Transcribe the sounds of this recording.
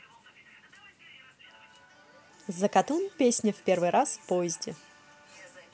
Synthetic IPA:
zəkɐt̪unpʲesʲnʲɪfpʲe̞rvɨɾʔaspojɪzʲdʲɪ

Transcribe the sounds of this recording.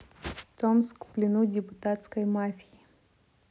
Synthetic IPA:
t̪omskplʲɪnudʲɪpʊt̪at̪skəjmafʲiji

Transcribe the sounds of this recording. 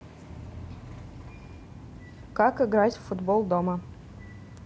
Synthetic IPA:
kakɪɡɾatʲfud̪bolˠd̪omə

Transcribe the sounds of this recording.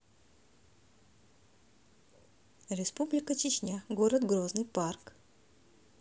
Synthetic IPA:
ɾʲɪspublʲɪkət͡ɕɪt͡ɕnʲaɡoɾəd̪ɡɾoznɨjpark

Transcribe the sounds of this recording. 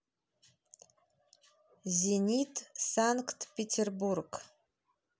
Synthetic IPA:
zenʲitʰsaŋktʰpʰetʰerburɡ

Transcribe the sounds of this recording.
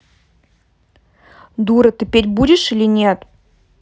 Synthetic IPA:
d̪uɾət̪ɨpʲetʲbudʲɪʂilʲɪnʲet̪

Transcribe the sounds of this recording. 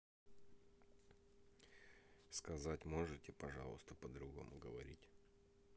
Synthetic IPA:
skɐzatʲmo̞ʐɨtʲɪpɐʐɑ̰lˠəst̪əpəd̪ɾʊɡo̞̰mʊɡəvɐ̰ɾʲitʲ

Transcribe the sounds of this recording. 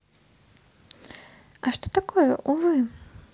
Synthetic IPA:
ɐʂt̪ɔ̥t̪akɔjɛʔuvɨ

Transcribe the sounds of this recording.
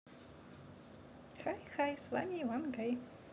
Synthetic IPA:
xajxajsva̰mʲivanɡaj

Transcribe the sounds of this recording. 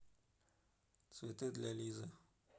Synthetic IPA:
t̪svʲɪt̪ɨd̪lʲalʲizɨ

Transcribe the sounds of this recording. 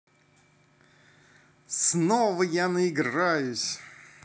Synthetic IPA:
snovəjanəɪɡrajʊsʲ

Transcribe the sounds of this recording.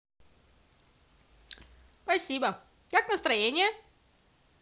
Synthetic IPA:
spɐsʲibə | kaknəst̪ɾɐjenʲɪjə

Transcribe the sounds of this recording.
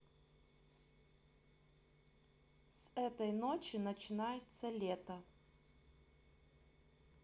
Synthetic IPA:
sɛt̪ɐjnot͡ʃɪnɐt͡ʃɪnajɛt̪sɐlʲet̪ɐ

